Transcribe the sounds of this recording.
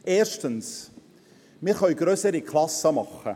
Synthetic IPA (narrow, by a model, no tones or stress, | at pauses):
ʔeːɾʃtəns | mɪɾχœɥɡ̥ɾøsəɾikʰlɑsːəmɑχə̰